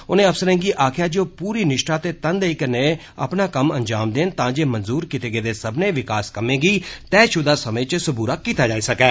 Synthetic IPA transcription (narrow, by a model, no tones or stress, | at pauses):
ʊnẽːəfsəɾẽːŋɡiːʔaːkʰjaːd͡ʒoːpuːɾiːnɪʃʈaːt̪eːt̪ənd̪eikəneː | ə̰pnaːkəmənd͡ʒaːmd̪eːnt̪ãːd͡ʒeːmənzuːɾkit̪eːɡeːd̪eːsəbneːʋɪkaːskəmẽːɡiːt̪ɛːʃʊd̪aːsəmə̃ːt͡ʃsʊbuːɾaːkiːt̪aːd͡ʒaːiːsəkɛː